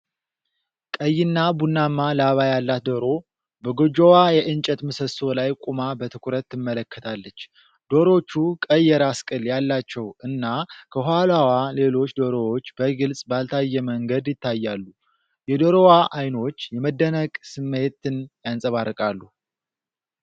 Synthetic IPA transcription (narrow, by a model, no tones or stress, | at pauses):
kʼəjːɪnːabunːamːalaβajalːat̪̚d̪oɾo̞ | bəɡod͡ʒowajɛʔɨnt͡ʃʼɛt̪mɨsəso̞lajkʷʼumabət̪ʰɨkʷʰuɾət̪ːɨmːələkʰːət̪ʰalːət͡ʃː | d̪̥o̞ɾo̞t͡ʃːukʼəjːɛɾaskʼɨljalːat͡ʃːɛwʔɨnːakʰəɦalawale̞lo̞t͡ʃːd̪o̞ɾowot͡ʃːbəɡɨlsʼbalt̪ʰajːɛməŋɡəd̪jɪt̪ːajːalːu | jɛd̪oɾowaʔajno̞t͡ʃːjɛməd̪ːənəkʼsɨmːe̞t̪ːɨnjansʼəβarːɨkʼalːu